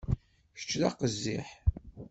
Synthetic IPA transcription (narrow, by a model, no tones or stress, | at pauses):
ə̥t͡ʃːðɑqəzːiħ